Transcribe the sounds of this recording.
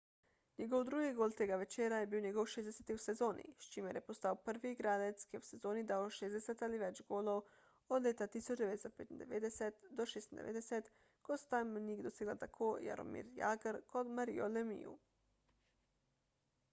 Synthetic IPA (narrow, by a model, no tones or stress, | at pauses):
nɛɡɔwd̪ɾuːɡiɡoːlt̪eːɡaʋɛt͡ʃeːɾajɛbiwnɛɡɔwʃeːzd̪ɛsɛt̪iwsɛzoːnḭʃt͡ʃiːmɛɾjɛpost̪awpəɾʋiɡɾaːd̪ɛt̪skiwsɛzoːnid̪awʃeːzd̪ɛsɛt̪aliʋɛt͡ʃɡoːlow | ɔd̪lʲeːt̪at̪isɔd͡ʒd̪ɛʋeːt̪st̪ɔt̪̚peːt̪ind̪ɛ̰ʋeːd̪ɛsɛt̪d̪ɔʃeːst̪ind̪ɛ̰ʋḛːd̪ɛsɛt̪ | kost̪amniɡd̪oseːɡlalt̪akʰoːja̰ɾɔ̰mḭɾja̰ːɡəɾkot̪maɾḭolɛmḭjṵ